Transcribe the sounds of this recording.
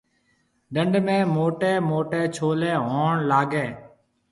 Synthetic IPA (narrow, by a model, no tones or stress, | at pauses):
ɖəɳɖmẽːmoːʈeːmoːʈeːt͡ʃʰoːlẽːɦoːɳlaːɡẽː